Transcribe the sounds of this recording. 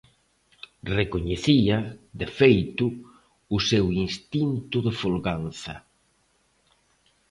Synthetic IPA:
rekoɲeθiɐd̪efejt̪ʊ | ʊsewinst̪int̪ʊðefulɣanθɐ̰

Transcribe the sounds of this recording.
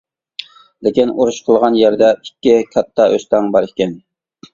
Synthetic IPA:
lɪkʲinuɾuʃqʰəlˠʁɑnjæɾd̪ɛikʲːɪkʲʰɑt̪ʰːɑʔøst̪ɑŋbɑɾekʲːɛn

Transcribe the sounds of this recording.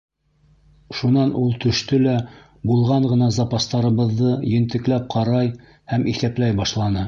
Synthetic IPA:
ʃunɑnʔulˠt̪ɵ̆ʃt̪ɵlæ | bulˠʁɑɴɢɤ̆nɑzɑpɑst̪ɑɾɤ̆βɤ̆ðːɤjɘ̆nt̪ɘ̆klæp̚qʰɑɾɑj | hæmʔiθæplæjbɑʃlˠɑnɤ

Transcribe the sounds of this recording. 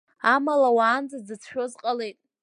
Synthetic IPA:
amalawaːnd͡zazzɨt͡sʰħᶣo̞zqʼale̞jtʼ

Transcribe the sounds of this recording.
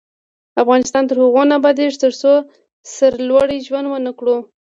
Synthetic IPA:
afɣɑnɪst̪ɑnt̪əɾhʊɣonabad̪eʒt̪əɾso | səɾlwaɽiʒwand̪wənəkɽu

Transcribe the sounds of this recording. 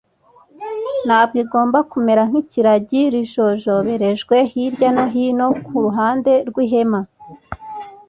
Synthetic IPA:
n̥aːb̚ɡiɡo̞ːmbakume̞ɾaŋ̥hiciɾaɟiɾiʒoʒoβe̞ɾe̞ʒɡwe̞hiɾɟanoɦino̞kuɾuɦaːnde̞ɾɡwiɦe̞ma

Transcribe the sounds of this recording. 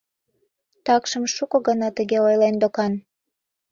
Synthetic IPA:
t̪ɑkʃəmʃukɤ̆ɣənɑt̪əɣeojlend̪okɑn

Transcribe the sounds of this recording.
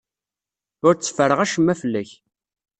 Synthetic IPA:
ʊɾt͡sːə̥fəɾəʁæʃəmːæfəlːæç

